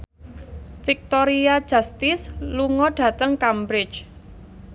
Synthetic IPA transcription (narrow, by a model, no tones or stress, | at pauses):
fik̚t̪oɾiḁd͡ʒ̥a̤st̪ɪsluŋɔɖ̥ä̤t̪əŋkambɾɪ̥t͡ʃ